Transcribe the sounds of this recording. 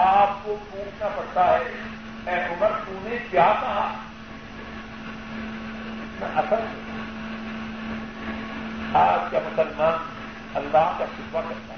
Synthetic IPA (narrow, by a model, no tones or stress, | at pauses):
aːp̚kopuːt͡ʃʰnapɐɽt̪aɦɛ | ɛːʔʊməɾpuːnẽkjaːkaɦa | ɪt̪na̰ʔɐsəɾɦɛa | aːp̚kjamʊsəlmaːn | ɐlːaːɦkaxɪt̪ʋakɐɾt̪aɦ